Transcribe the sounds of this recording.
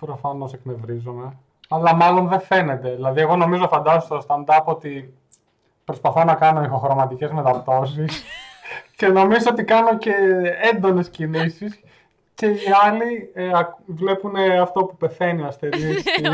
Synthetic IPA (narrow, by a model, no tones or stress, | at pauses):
pɾofɐno̞sekne̞vɾizome̞ | ɐlɐmɐlo̞nðe̞fe̞ne̞t̪e̞ðilɐðie̞ɣo̞no̞mizo̞fɐnd̪ɐsost̪ost̪ɐnd̪ɐpot̪i | pɾo̞spɐθo̞nɐkɐno̞ixo̞xɾo̞mɐt̪ice̞zme̞t̪ɐpt̪o̞sis | ce̞no̞mizoo̞t̪ikɐno̞ce̞end̪o̞ne̞scinisis | ce̞iɐliɐvle̞pune̞ɐft̪o̞pupe̞θe̞niɐsθe̞nis